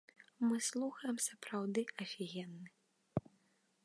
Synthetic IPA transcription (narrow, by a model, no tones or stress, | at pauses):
mɨslˠuxɐjɛmsɐpɾawd̪ɨɐfʲiɣʲɛnːɨ